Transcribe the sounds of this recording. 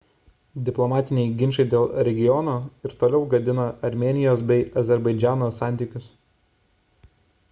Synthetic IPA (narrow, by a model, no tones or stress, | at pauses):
d̪ʲɪplˠɔmɑːt̪ʲɪnʲɛɪɡʲɪnʲʃɐɪd̪ʲeːlˠɾʲɛɡʲɪjɔnoːɪɾt̪oːlʲɛʊɡɐd̪ʲɪnɐɐɾʲmʲeːnʲɪjoːsbʲɛɪɐzʲɛɾbɐɪd͡ʒʲæːnoːsɑˑnʲt̪ʲikʲʊs